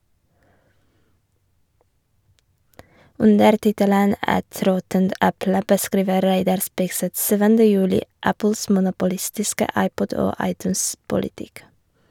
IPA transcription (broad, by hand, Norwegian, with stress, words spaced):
ˈʉndəɾ ˈtɪtələn ˈɛt ˈɾɔtənt ˈɛplə bəˈskɾiːʋə ˈɾæɪdɑɾ ˈspɪɡsɛt ˈsyːʋəndə ˈjʉːlɪ ˈæpl̩s mʊnʊpʊˈlɪstɪskə ˈɑɪˌpɔd ˈoː ˈɑɪˌtʉːns pʊlɪˈtɪk